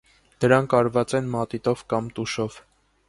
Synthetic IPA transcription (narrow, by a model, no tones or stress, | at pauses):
d̪̥əɾɑŋkʰɑɾvɑt͡sɛnmɑt̪it̪ɔvkɑmt̪uʃɔv̥